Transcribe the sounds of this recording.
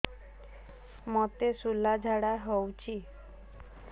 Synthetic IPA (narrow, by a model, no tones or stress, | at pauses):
mɔt̪esulad͡ʒʱaɽaɦowt͡ʃʰi